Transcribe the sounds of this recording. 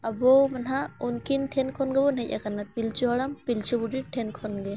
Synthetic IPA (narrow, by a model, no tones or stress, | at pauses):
abɔmanɦaunkinʈʰɛnkʰɔnɡɛbɔnɛjc̚a̰kanat̪̚pilt͡ʃuɦɔɽampilt͡ʃʰɔbudiʈʰɛnkʰɔnɡɛ